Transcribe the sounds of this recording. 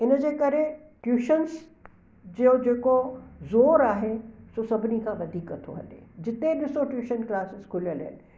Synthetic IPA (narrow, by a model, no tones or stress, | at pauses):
ɪnəd͡ʑeːkɐɾe | ʈjuːʃəns | d͡ʑiod͡ʑeːkozoːɾaːɦesosɐbʱɪnikʰãʋɐd̪ʱiːkɐt̪ʰo̰ɦɐ̰lḛːd͡ʑɪt̪eɗɪsoʈjuːʃənklaːsɪzkʰʊljəlɦɪ̰nɪ